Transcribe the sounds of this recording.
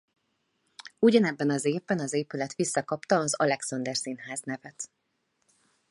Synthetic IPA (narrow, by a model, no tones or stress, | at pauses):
uɟɒnɛbːɛnɒzeːvbɛnɒzeːpylɛt̪ʋisːɒkɒpt̪ɒːzɒlɛksɒnd̪ɛrsinɦaːznɛvɛt̪